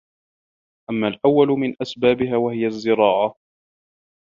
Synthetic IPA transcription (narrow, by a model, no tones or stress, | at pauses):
ʔamːaːlʔawːalʊmɪnʔasbaːbɪɦaːwahɪjazːɪɾɑːʕa